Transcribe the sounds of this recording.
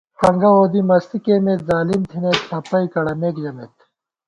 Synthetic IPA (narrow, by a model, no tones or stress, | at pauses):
pɐŋɡɐoːd̪imɐst̪ikemeːt̪zaːlimt̪ʰinet̪ʰɐpɐikɐɽɐmeːkd͡ʑɐmet̪